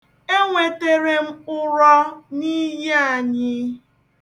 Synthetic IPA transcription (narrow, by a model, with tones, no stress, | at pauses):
e˦ŋʷe˨te˨ɾe˨m̩˦ʊ˦ɾɔ˦ni˦je˦a˨ɲɪ˦